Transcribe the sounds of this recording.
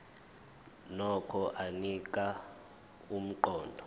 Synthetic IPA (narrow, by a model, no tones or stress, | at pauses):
nɔkʰɔʔanik̬ʼa | um̩ǃɔːndʱɔ